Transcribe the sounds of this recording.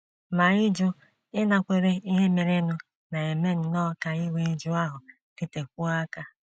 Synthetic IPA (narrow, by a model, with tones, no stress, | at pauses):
ma˨ɪ˦d͡ʒʊ˦ | ɪ˦na˨kʷe˨ɾe˦i˦ɦe˦me˨ɾe˦nʊ˦ | na˨e˨me˦n̩˨nɔ˦˨˦ka˨ɪ˦we˦d͡ʒʊ˦a˦ɦʊ˨ | ki˦te˨k̚ʷu˦a˦ka˦